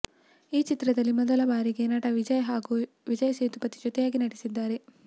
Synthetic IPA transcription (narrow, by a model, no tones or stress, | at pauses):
iːt͡ʃit̪ɾɐd̪ɐlːimɔd̪ɐlɐbaːɾiɡe̞nɐʈɐʋid͡ʒɐjɐɦaːɡu | ʋid͡ʒɐjɐseːt̪upɐt̪id͡ʒɔt̪ɛjaːɡinɐɽisid̪ːaːɾe̞